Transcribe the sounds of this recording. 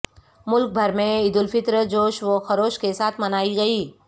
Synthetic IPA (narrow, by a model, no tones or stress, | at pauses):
mʊlk̚bʱɐɾmẽɪd̪ʊlfɪt̪ɾəd͡ʒoːʃʋoxɐɾoːʃkesaːt̪ʰmɐnaːiɡɐiː